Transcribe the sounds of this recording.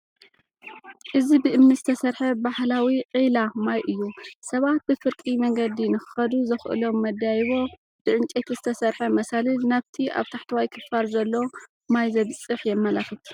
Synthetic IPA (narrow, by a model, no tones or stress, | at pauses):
ʔɨzibɨʔɨmnizɨt̪ʰɐsɐɾħɐbahlawiqʼilamajʔɨjːusɐβat̪̚bɨfɨɾkʼimɐŋɡɐd̪inɨxɨxɐd̪uzɨxʔɨ̰lo̞mːɐd̪ajβo̞ | b̥ɨʕɨnt͡ʃʼet̪ʰizɨt̪ʰɐsɐɾħɐmɐsalɨlnaβt̪ʰia̰βt̪ʰaħt̪ʰɨwajkʰɨfaɾzɐlːo | majzɐβɨsʼɨħjɛmːɐlaxɨt̪